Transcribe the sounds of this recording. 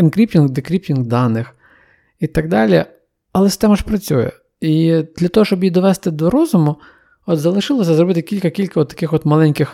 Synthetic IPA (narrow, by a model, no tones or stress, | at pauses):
ɪnkɾʲiptʲinɡd̪ɪkɾʲip̚tʲinɡd̪ɑnɪx | it̪ɐɡd̪ɑlʲi | ɐlˠɛsɪ̥st̪ɛmɐʃpɾɐt͡sʲujɛ̰ | id̪̥lʲɐt̪ɔɦɔʃt͡ʃɔbjid̪ɔʋɛst̪ɪd̪ɔɾɔzʊmʊ | ɔt̪zɐlˠɪʃɪlˠɔsʲɐzɾɔbɪt̪ɪkʲilʲkɐkʲilʲkɐɔt̪ːɐ̥kɪxʋɔt̪mɐlˠɛnʲkʲɪx